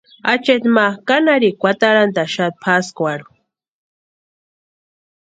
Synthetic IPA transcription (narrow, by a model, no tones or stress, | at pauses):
at͡ʃet̪makanaɾikʷat̪aɾant̪aʃat̪̚pʰaskʷaɽu̥